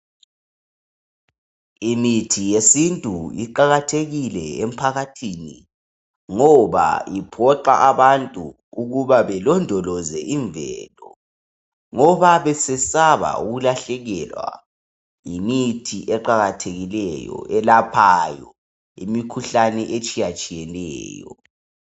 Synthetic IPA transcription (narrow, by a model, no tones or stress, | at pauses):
imitʰijesintʼuiǃaɣatʰeɣilɛem̩pʰaɣatʰiːni | ŋɔβa̰ipʰɔǃa̰ʔaβantʼu | uɣuβaβɛlɔndʱɔlɔzɛʔiɱvɛlɔ | ŋɔβaβɛsɛsaβa̰ṵɣulaɬɛɣɛlwa̰ | imitʰiʔɛǃaɣatʰeɣilɛjɔ̰ʔɛlapʰajɔ | ḭmikʰuɬanɛʔet͡ʃʼijat͡ʃʼijɛlɛ̰ːjɔ̰